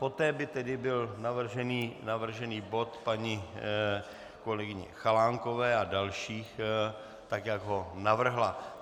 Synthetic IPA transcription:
po̞t̪ɛːbɪt̪ɛdɪbɪlnavr̩ʒɛniːnavr̩ʒɛniːbo̞t̪paɲɪ | ko̞lɛɡɪɲɛ̰xalaːŋko̞vɛːadalʃiːx | t̪akjaɡɦo̞navr̩ɦla

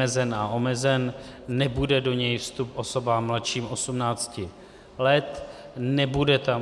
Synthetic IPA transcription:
ɛzɛnao̞mɛzɛnnɛbudɛdo̞ɲɛjfst̪upʔo̞so̞bamːlat̪ʃiːmʔo̞sumnaːt͡scɪ | lɛt̪nɛbudɛt̪a

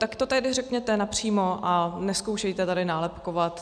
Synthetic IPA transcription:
t̪akt̪ot̪ɛɦdɪrɛkɲɛt̪ɛnapr̝̥iːmo̞ʔanɛskowʃɛjt̪ɛt̪adɪnaːlɛpkovat̪

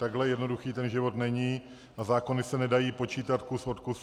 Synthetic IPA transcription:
t̪aɡɦlɛjɛdno̞duxiːt̪ɛnʒɪvo̞t̪nɛɲiː | ʔazaːko̞nɪsɛnɛdajiːpo̞t͡ʃiːt̪at̪kuso̞t̪kus

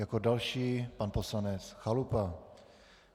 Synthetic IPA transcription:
jakodalʃiːpanposlanɛt͡sxalupa

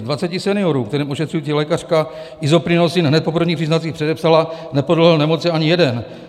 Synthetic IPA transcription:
dvat͡sɛcɪsɛnɪo̞ɾuːk̚t̪ɛɾiːmoʃɛt̪r̝ujit͡silɛkar̝̥ka | ʔɪzopɾɪnosɪnɦnɛt̪̚po̞pr̩vɲiːpr̥iznat̪t͡siːxpr̥ɛdɛpsalanɛpodl̩ɦlnɛmo̞t͡sɪaɲɪjɛdɛn

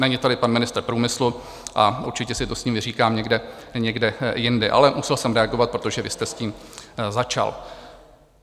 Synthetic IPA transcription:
nɛɲɪt̪adɪpanmɪnɪst̪ɾpɾuːmɪslu | ʔaʔuɾt͡ʃɪcɛsɪt̪osɲiːmɪriːkaːmɲɛɡdɛɲɛɡdɛjɪndɛʔa̰lɛmusɛlsɛmɾɛaɡovat̪̚pɾo̞t̪oʒɛvɪst̪ɛsciːmzat͡ʃa̰l

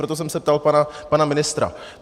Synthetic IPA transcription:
ɾot̪os̬ɛmsɛp̚t̪alpanapanamɪnɪst̪ɾa̰

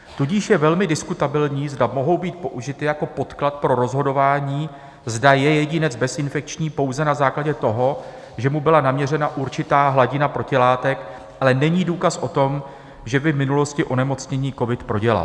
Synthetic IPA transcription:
t̪uɟɪʃjɛvɛlmɪdɪskut̪abɪlɲiːzdamo̞ɦo̞wbiːt̪̚po̞ʔuʒɪt̪ɪjako̞po̞t̪klat̪̚pɾo̞ɾo̞zɦo̞do̞vaːɲiː | zdajɛjɛɟɪnɛd͡zbɛsɪnfɛk̚t͡ʃɲiːpo̞wzɛnazaːklaɟɛt̪o̞ɦo̞ | ʒɛmubɪlanamɲɛrɛnaʔuɾt͡ʃɪt̪aːɦlaɟɪnapɾo̞cɪlaːt̪ɛk | ʔalɛnɛɲiːduːkasʔo̞t̪o̞m | ʒɛbɪvmɪnulo̞scɪʔo̞nɛmo̞t͡sɲɛɲiːko̞vɪt̪pɾo̞ɟɛla̰l

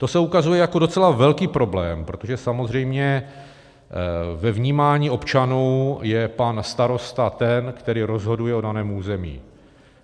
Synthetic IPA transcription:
t̪o̞sɛukazujɛjako̞do̞t͡sɛlavɛlkiːpɾo̞blɛːmpɾot̪oʒɛsamozr̝ɛjmɲɛ | vɛvɲiːmaːɲiːʔo̞pt͡ʃanuwjɛpanst̪aɾo̞st̪at̪ɛnkt̪ɛɾiːɾo̞zɦo̞dujɛo̞danɛːmuːzɛmḭː

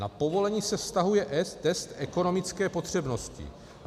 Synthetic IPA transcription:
napo̞vo̞lɛɲiːsɛfst̪aɦujɛʔɛt̪ɛst̪ɛko̞no̞mɪt͡skɛːpo̞t̪r̝̥ɛbno̞scɪ̰

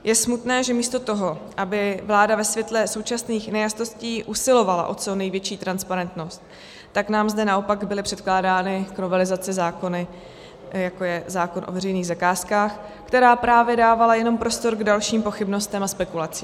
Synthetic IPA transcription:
jʔɛsmut̪nɛːʒɛmiːst̪o̞t̪o̞ɦo̞ʔabɪvlaːdavɛsvjɛt̪lɛso̞wt͡ʃasniːxnɛjast̪o̞sciːʔusɪlo̞vala̰ʔo̞t͡sonɛjvjɛt͡ʃiːt̪ɾanspaɾɛnt̪no̞st̪ː | aknaːmzdɛnaʔo̞paɡbɪlɪpr̥ɛt̪klaːdaːnɪkno̞vɛlɪzat͡sɪzaːko̞nɪ | jako̞jɛzaːko̞nʔo̞vɛrɛjniːɣzakaːskaːx | kt̪ɛɾaːpɾʔaːvjɛdaːvalajɛno̞mpɾo̞st̪o̞ɾɡdalʃiːmpo̞xɪbno̞st̪ɛmaspɛkulat͡si̥ː

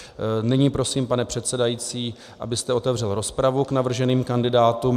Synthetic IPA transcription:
nɪɲiːpɾo̞siːmpanɛpr̥ɛt̪sɛdajiːt͡siː | ʔa̰bɪst̪ɛo̞t̪ɛvr̝ɛlɾo̞spɾavuknavr̩ʒɛniːmkandɪdaːt̪um

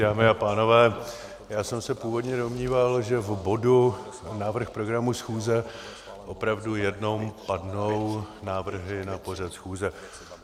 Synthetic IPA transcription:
daːmɪapaːno̞vɛː | jaːsɛmsɛpuːvo̞dɲɛdo̞mɲiːvalʒɛvbo̞du | naːvr̩xpɾo̞ɡɾamusxuːzɛ | ʔo̞pɾavdujɛdno̞mpadno̞wnaːvr̩ɦɪnapo̞r̝at̪sxuːzɛ

